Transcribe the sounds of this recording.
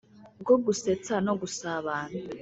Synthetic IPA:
ɡoɡuset͡sanoɡusaβaːnu

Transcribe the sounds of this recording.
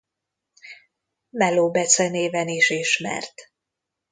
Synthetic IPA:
mɛloːbɛsɛneːvɛniʃiʃmɛ̰rt̪

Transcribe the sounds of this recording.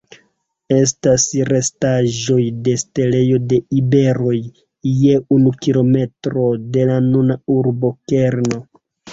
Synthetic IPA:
e̞s̬tasɾe̞staʒo̞jde̞ste̞le̞jo̞de̞ibe̞ɾo̞j | je̞unukilo̞me̞tɾo̞de̞lanunauɾbo̞ke̞ɾno̞

